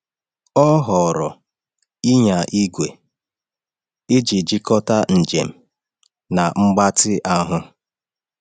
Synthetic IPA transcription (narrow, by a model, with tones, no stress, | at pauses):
ɔ˦ɦɔ˨ɾɔ˨ | i˦ɲa˨ʔi˦ɡʷe˨ | ɪ˦d͡ʒi˨d͡ʒi˦kɔ˦ta˦n̩˨d͡ʒḛ˨m̩˨ | na˨ŋ͡m̩˦ɡ͡ba˦tɪ˦ʔa˦ɦʊ˦